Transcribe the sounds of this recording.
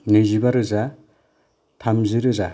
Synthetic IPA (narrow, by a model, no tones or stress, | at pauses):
nezibaɾɯza | tʰamzɯɾɯza